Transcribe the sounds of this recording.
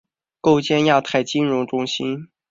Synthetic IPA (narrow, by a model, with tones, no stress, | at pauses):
ko˥˧ʊt͡ɕjɛ˥˧nja˥˩t̪ʰa˥˩ɪt͡ɕi˥nɻʊ˧˥ŋʈ͡ʂʊ˥ŋɕi˥n